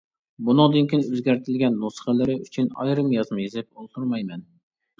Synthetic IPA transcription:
bunɨŋd̪ɨnkʲʰinøzɡʲæɾt̪ʰɪlɡʲɛnːusə̥χəlɪɾɪyt͡ʃʰynɑ̰jɾɨmjɑzmɨjezɪp̚olˠt̪ʰuɾmɑjmɛn

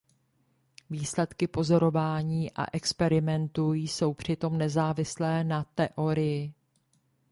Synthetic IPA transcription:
viːslɛt̪kɪpo̞zo̞ɾo̞vaːɲiːʔa̰ʔɛkspɛɾɪmɛnt̪ujso̞wpr̝̥ɪt̪o̞mnɛzaːvɪslɛːnat̪ɛʔo̞ɾɪjɪ

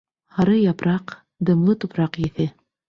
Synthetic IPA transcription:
hɑɾɤjɑpɾɑq | d̪ɤ̆mlˠɤt̪upɾɑqjɘ̆θɘ

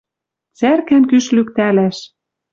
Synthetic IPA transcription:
t͡særkænkyʃlyk̚t̪ælæʃ

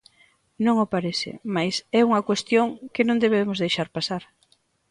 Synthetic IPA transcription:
nõŋʊpaɾɛθɪ̰majsɛuŋɐkwest̪joŋkɪnõŋd̪eβemʊzðejʃaɾpasaɾ

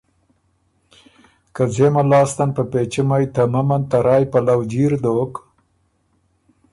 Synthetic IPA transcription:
kazeːmalɑːst̪anpapeːt͡ʃimajt̪ɐmɐmɐnt̪ɐɾɑːjpɐlawd͡ʒiɾd̪oːk

